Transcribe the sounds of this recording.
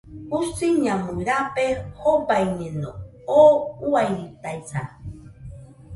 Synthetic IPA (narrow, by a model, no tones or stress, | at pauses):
usiɲãmũɾapehobaiɲẽno | ouajɾit̪ajsa̰